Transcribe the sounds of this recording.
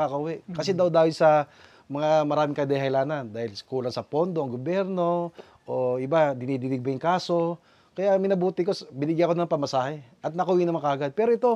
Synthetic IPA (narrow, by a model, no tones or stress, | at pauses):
kakɐʔʊwɛʔkɐsɛd̪ɐwd̪aːhɪlsɐ | mɐŋamɐɾaːmɪŋkɐd̪ɐjɦɐjlaːnɐnd̪aːhɪlskuːlɐŋsɐpo̞nd̪oɐŋɡobjɛɾno̞ | ʔoʔɪbad̪ɪnid̪inɪɡ̚bajɪŋkaːso̞ | kɐjaʔmɪnɐbuːt̪ɪkosbɪnɪɡjakonɐŋpɐmɐsaːhɛʔɐt̪̚nɐkuːwɪnɐmɐŋkɐʔɐɡad̪̚pɛːɾo̞ʔɪt̪o̞